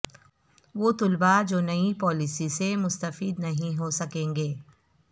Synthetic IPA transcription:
ʋoːt̪ʊlbad͡ʒoːnɐipɔːlisisemʊst̪əfiːd̪nɐɦĩɦosɐkẽːŋɡeː

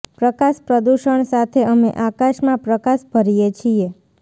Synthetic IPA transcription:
pɾəkaʃpɾəd̪uʃəɳsat̪ʰeəmḛʔakaʃmãpɾəkaʃbʱəɾijet͡ʃʰie

